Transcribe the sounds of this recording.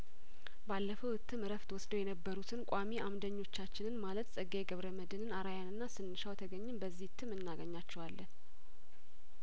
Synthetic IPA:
balːəfəwɨt̪ʰːɨmɨɾəft̪ʰwɔsd̪əwjɛnəbːəɾut̪ʰɨnkʷʼamiʔamd̪əɲːo̞t͡ʃːat͡ʃːɪnɨnmalət̪sʼəɡeɡəβɾəməd̪ɨnɨnaɾajanɨnːasɨnːɨʃawt̪ʰəɡəɲːɨmbəzːihɨt̪ʰːɨmɨnːaɡəɲːat͡ʃːɛwalːən

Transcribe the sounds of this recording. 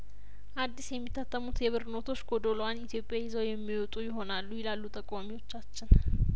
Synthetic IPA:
ʔad̪ːisjɛmːit̪ʰːat̪ːəmut̪jɛβɨɾno̞t̪ʰo̞t͡ʃːɡod̪o̞loanit̪ʰijo̞pʼːjajɪzəwjɛmːiwɔt̪ʼujɪɦo̞nalːujɪlalːut̪ʼəkʼamiwo̞t͡ʃːat͡ʃːɪn

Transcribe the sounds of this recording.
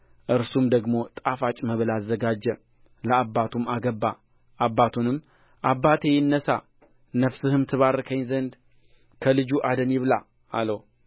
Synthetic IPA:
ʔɨɾsumd̪əɡmo̞t̪ʼafat͡ʃʼməβɨlazːəɡad͡ʒːɛ | ləabːat̪ʰumaɡəbːa | ʔabːat̪ʰunɨmː | ʔabːat̪ʰejɪnːəsa̰ | nəfsɨhɨmt̪ʰɨβaɾəkʰəɲzənd̪ | kʰəlɨd͡ʒuʔad̪ənjɪβla | a̰ləw

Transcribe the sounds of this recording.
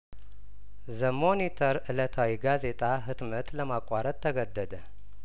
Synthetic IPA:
zəmo̞nit̪ʰəɾʔɨlət̪ʰawiɡaze̞t̪ʼaɦɨt̪mət̪ləmakʷʼːaɾət̪ʰːəɡəd̪ːəd̪ə

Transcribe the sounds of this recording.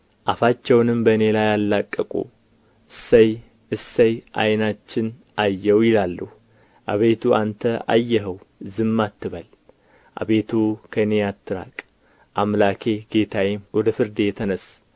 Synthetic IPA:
ʔafat͡ʃːɛwnɨmbəɨne̞lajalːakʼːəkʼṵ | səj | ɨsːəjʔa̰jnat͡ʃːɪn | ʔajːɛwjɪlalːuh | ʔa̰βe̞t̪ʰuʔant̪ʰəa̰jːɛɦəwzɨmːat̪ːɨβəl | ʔa̰βe̞t̪ʰukʰənejat̪ʰːɨɾa̰kʼ | ʔamlakʰe̞ɡe̞t̪ʰawimwɔd̪əfɨɾd̪ejɛt̪ʰənəs

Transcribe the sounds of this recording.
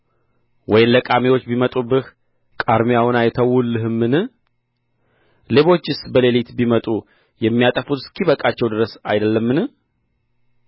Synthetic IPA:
wɔjɪnləkʼamewo̞t͡ʃːbimət̪ʼubɨh | kʼaɾmijawnajt̪ʰəwulːɨɦɨmːɨnɨ | le̞βo̞t͡ʃːɪsbəle̞lit̪bimət̪ʼu | jɛmːijat̪ʼəfut̪ɨskʰiβəkʼat͡ʃːɛwd̪ɨɾəsajd̪əlːəmːɨnɨ

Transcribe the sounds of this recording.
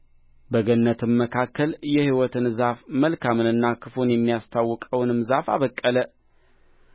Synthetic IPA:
bəɡənːət̪ʰɨmːəkʰakʰːəljɛhiwɔt̪ʰɨnzafməlkʰamɨnɨnːakʰɨfo̞njɛmːijast̪ʰawːɨkʼəwnmɨzafa̰βəkʼːələ

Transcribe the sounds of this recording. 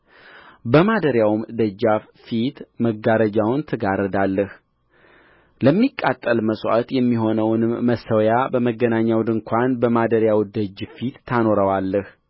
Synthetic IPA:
bəmad̪əɾjawmd̪əd͡ʒːaf | fit̪məɡaɾəd͡ʒawnt̪ʰəɡaɾəd̪alːəh | ləmːikʼːat̪ʼːəlməswa̰t̪jɛmːiɦo̞nəwnɨmːəsəwjabəməɡːənaɲːawd̪ɨŋkʷʰanbəmad̪əɾjawd̪əd͡ʒːfit̪ːʰano̞ɾəwalːəh

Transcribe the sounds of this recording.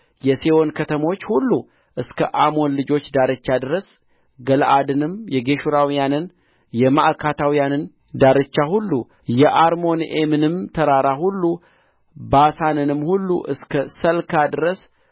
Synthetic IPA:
jɛsewo̞nkʰət̪ʰəmo̞t͡ʃːhulːu | ʔɨskʰə̰ʔamo̞nlɨd͡ʒo̞t͡ʃːd̪aɾɨt͡ʃːad̪ɨɾəs | ɡəlʔad̪ɨnɨmjɛɡe̞ʃuɾawijanɨn | jɛmaʔkʰat̪ʰawijanɨn | d̪aɾɨt͡ʃːahulːu | jɛʔaɾmo̞nʔemɨnɨmt̪ʰəɾaɾahulːu | basanɨnɨmhulːṵʔɨ̰skʰəsəlkʰad̪ɨɾəs

